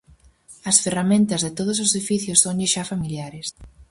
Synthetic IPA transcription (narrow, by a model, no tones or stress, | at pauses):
ɐsferamẽnt̪ɐzðɪt̪oð̞ʊsosðifiθjʊsːoŋʎɪʃafamiljaɾes